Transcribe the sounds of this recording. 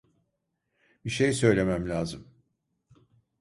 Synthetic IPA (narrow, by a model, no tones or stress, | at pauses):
biʃejsø̞jlʲe̞mæmlʲaːzɯm